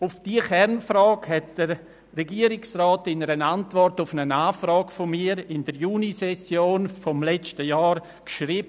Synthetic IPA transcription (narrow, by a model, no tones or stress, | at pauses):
ʊfd̥iːəxɛɾnfɾɑːkhɛt̚d̥əɾː | ɛɡiəɾɪksrɑːtɪnəɾənantvɔrtʊfnənaːfrɑːkfomiːəɾɪnd̥əɾjuːnisɛsjoːnfɔmlɛt͡stəjɑːɾ | kʃriːbə